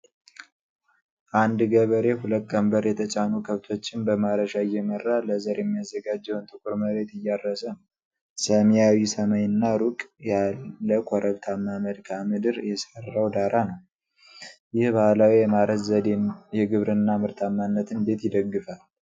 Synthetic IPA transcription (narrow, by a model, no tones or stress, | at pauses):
ʔand̪ɡəβəɾe̞huləkʼːəmbəɾjɛt̪ʰət͡ʃʼanukʰəβt̪ʰo̞t͡ʃːɪnbəmaɾəʃajːɛmərːaləzəɾjɛmːijazːəɡad͡ʒːɛwnt̪ʼɨkʷʼuɾməɾe̞t̪ɨjːaɾːəsən | səmjawisəməɲɨnːaɾukʼjaːəkʷʰɔɾʔəβt̪ʰamːaməd̪kʰamɨd̪ɨɾjɛsərːawd̪aɾanəw | jɪhbahlawijɛmaɾəzəd̪jɛɡɨβɾɨnːamɨɾt̪ʰamːanːət̪ɨnbe̞t̪jɪd̪əɡːɨfal